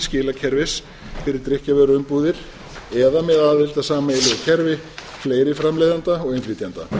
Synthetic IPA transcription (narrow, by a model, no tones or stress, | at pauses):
scɪːlacʰɛɾvɪs | fɪɾɪɾ̥t̪ɾɪhcavɛɾʏʏmpuːðɪɾ̥ | ɛðamɛðaːðɪlt̪asaːmaelɪʏcʰɛɾvɪ | fleːjɾɪfɾamlejðant̪aɔɣejnfɾiːt̪jant̪a̰